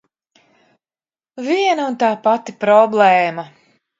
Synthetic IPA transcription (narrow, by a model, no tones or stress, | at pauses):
viɛnaunt̪aːpat̪ipɾɔblˠɛːma